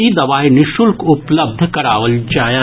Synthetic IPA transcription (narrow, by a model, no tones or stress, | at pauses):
id̪ɐʋaːɦenɪʃʊlkʊpləb̚d̪ʱkɐɾaːʋəld͡ʒaːjə